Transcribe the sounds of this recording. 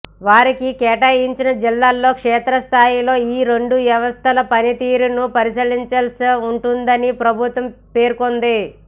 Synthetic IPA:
ʋaːɾikikɛːʈɐːjiɲt͡ʃinɐd͡ʒilːaːlːo̞ːkʂɛːt̪ɾɐst̪ʰaːjilo̞ːiːɾe̞ɳɖuʋjɐʋɐst̪ʰɐlɐpɐnit̪iːɾunupɐɾisiliɲt͡ʃɐlsiuɳʈund̪ɐnipɾɐbʱut̪ʋɐmpeːɾkond̪i

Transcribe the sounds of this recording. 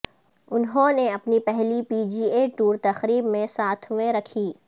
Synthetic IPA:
ʊnɦõneɐpnipɛɦlipiːd͡ʒiːeʈuːɾt̪ɐxɾiːbmẽsaːt̪ʰɦʊʋeɾɐkʰiː

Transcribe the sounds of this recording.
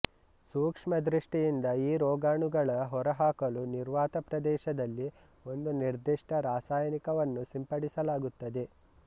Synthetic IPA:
suːkʂmɐd̪ɾiʂʈijind̪ɐiːɾɔːɡaːɳuɡɐɭɐɦɔɾɐɦaːkɐluniɾʋaːt̪ɐpɾɐd̪ɛːʃɐd̪ɐlːi | o̞nd̪uniɾd̪iʂʈɐɾaːsaːjɐnikɐʋɐnːusimpɐɽisɐlaːɡut̪ːɐd̪e̞

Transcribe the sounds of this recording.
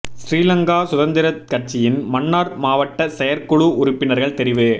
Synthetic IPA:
sɾiːlɐŋɡaːsʊðɐnd̪ɪɾɐkːɐʈt͡ʃːɪjɪnmɐnːaːɾmaːʋɐʈːɐsɛjɐɾkɔɭuʊɾʊpːɪnɐɾɣɐɭt̪ɛɾɪʋɯ

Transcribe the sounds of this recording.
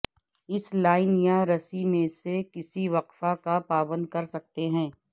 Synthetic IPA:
ɪslaːɪnjaɾɐsimẽsekɪsiʋɐqfakapaːbə̃nd̪̚kɐɾsɐk̚t̪eɦɛ̃ː

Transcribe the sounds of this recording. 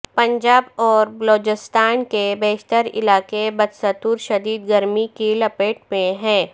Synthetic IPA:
pɐ̃ɲd͡ʒaːbɔːɾbloːd͡ʒɪst̪aːnkebeːʃt̪əɾɪ̰laːkebɐd̪sət̪uːɾʃɐd̪iːd̪̚ɡɐɾmikilɐpeːʈmẽɦɛ̃ː

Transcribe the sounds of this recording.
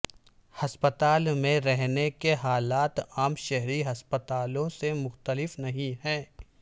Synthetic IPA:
hɐspət̪aːlmẽɾɛɦnekeɦaːlaːt̪aːmʃɛɦɾiɦɐspət̪aːlõsemʊxt̪əlɪfnɐɦĩɦɛ̃ː

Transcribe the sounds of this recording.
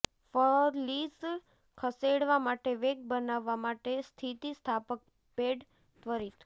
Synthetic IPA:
fəɾlis | kʰəseɽʋamaʈeʋeɡ̚bənaʋːamaʈest̪ʰit̪ist̪ʰapək̚ | peɖ | t̪ʋəɾit̪

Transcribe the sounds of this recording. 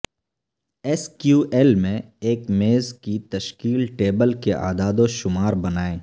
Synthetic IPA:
ɛskjuːʔɛlmẽeːkmeːzkit̪ɐʃkiːlʈeːbəlkeʔa̰ːd̪aːd̪oʃʊmaːɾbɐnaːẽː

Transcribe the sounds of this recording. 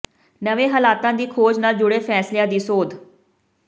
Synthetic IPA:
nəʋẽːɦəlaːt̪ãːd̪iːkʰoːd͡ʒnaːld͡ʒʊɽeːfʰɛːslɪjãːd̪iːsoːd̪

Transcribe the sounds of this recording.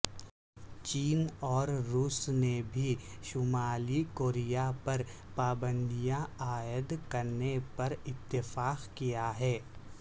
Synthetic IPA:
t͡ʃiːnɔːɾɾuːsnebʱiʃʊmaːlikoːɾijapɐɾpaːbə̃nd̪ijãaːjəd̪kɐɾnepɐɾɪt̪ːɪfaːqkijaɦɛː

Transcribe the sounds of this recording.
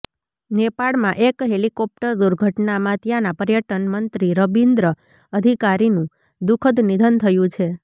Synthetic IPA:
nepaɭmãʔekɦelikɔp̚ʈəɾd̪uɾɡʱəʈnamãt̪janapəɾjəʈənmənt̪ɾiɾəbind̪ɾə | əd̪ʱikaɾinũ | d̪ukʰəd̪nid̪ʱənt̪ʰəjũt͡ʃʰe

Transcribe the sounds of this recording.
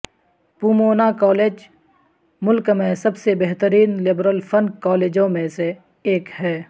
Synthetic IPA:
puːmoːnakɔːleːd͡ʒ | mʊlkmẽsɐbsebɛɦt̪əɾiːnlɪbɾəlfʰənkɔːleːd͡ʒõmẽse | eːkhɛː

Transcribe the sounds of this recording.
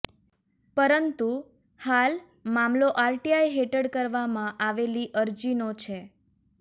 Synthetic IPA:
pəɾənt̪u | hal | mamloʔaɾʈiajɦeʈəɽkəɾʋamãʔaʋeliʔəɾd͡ʒinot͡ʃʰe

